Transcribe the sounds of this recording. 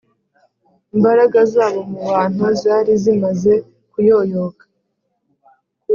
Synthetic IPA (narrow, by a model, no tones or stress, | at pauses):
imbaɾaɡazaːβo̞muβaːn̥huzaːɾizimaze̞ | kujo̞ːjokḁ